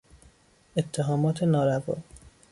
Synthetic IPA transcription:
et̪ʰːeɦɒːmɒːt̪ʰenɒːɾævɒ̰ː

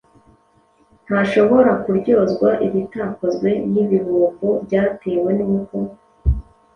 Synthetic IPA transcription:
n̥haʃo̞βo̞ɾakuɾɟo̞zɡwaʔiβitakozɡwe̞niβiβukubɟaːtewe̞nuːko

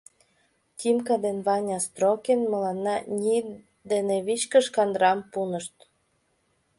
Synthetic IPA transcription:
t̪ʲimkɑd̪enβɑnʲɑst̪ɾokʲenmɤ̆lɑnːɑnʲi | d̪eneβit͡ɕkə̆ʃkɑnd̪ɾɑmpunə̆ʃt̪

